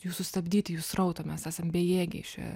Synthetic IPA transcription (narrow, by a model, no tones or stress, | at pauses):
juːsʊsʲt̪ɐbʲd̪ʲiːt̪ʲɪjuːsrɐʊt̪ɐmʲɛsæːsɐmbʲeːjeːɡʲɛ̰ʃʲɛ̰